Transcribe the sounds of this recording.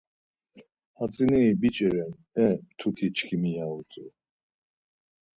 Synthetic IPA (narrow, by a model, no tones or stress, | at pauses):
hat͡sʼiniibit͡ʃʼɛɾɛn | ɛt̪ʰukʰit͡ʃkʰimijaut͡sʼu